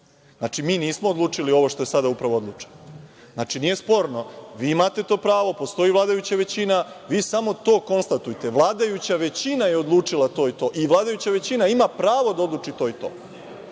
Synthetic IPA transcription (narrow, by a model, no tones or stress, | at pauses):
znat͡ʂimiːniːsmoːd̪luːt͡ʂilio̞ʋo̞ʃt̪o̞e̞sad̪aupɾaʋoo̞d̪lˠuːt͡ʂe̥n | znaːt͡ʂinije̞spo̞ɾno̞ʋiːimat̪e̞t̪o̞ːpɾaːʋo̞po̞st̪o̞iːʋlˠaːd̪ajut͡ɕaʋe̞t͡ɕinaʋiːsamo̞t̪o̞ːko̞nst̪at̪ujt̪e̞ʋlˠaːd̪ajut͡ɕaʋe̞t͡ɕinaje̞od̪lˠuːt͡ʂilˠat̪o̞ːit̪o̞ːʔiʋlˠaːd̪ajut͡ɕaʋe̞t͡ɕinaimapɾaːʋo̞d̪ao̞d̪lˠuːt͡ʂit̪o̞ːit̪o̞̰ː